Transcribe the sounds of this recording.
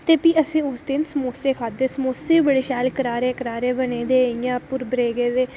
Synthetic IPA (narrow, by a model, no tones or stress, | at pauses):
t̪eːpiːəsĩːʊsd̪ɪnsəmoːseːkʰaːd̪eːsəmoːseːbəɽeːʃaːlkəɾaːɾeːkəɾaːɾeːbənẽːd̪eːjãːpʊɾbəɾeːɡeːd̪eː